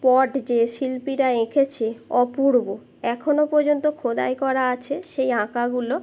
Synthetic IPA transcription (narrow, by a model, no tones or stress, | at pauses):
pɔɖd͡ʑeʃilpiɾaekʰet͡ɕʰeɔpuɾbo | ɛkʰonopɔɾd͡ʑont̪okʰod̪a̰jkɔɾaat͡ɕʰeʃejɦãkaɡulo